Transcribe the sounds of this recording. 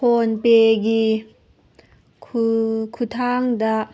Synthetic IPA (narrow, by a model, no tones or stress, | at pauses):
ɔnpeɡi | kʰukʰut̪ʰaŋd̪aʔ